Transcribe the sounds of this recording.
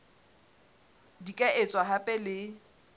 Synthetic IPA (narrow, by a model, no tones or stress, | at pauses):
dikʼɛʔɪt͡sʼwaɦapʼɛlɪ